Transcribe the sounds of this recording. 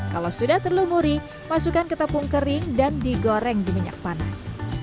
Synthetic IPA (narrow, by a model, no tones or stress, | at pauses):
kalawsudaht̪ərlumuɾi | masukankət̪əpuŋkəɾɪŋdandiɡoɾɛŋdimiɲa̰k̚pana̰s